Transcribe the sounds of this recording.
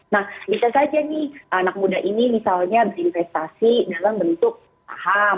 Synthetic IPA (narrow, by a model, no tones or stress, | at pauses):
nahbisasad͡ʒanɪhʔanak̚mudaɦʔinimisalɲabəɾinfɛst̪asidalambənt̪ʊk̚ | a̰ɦa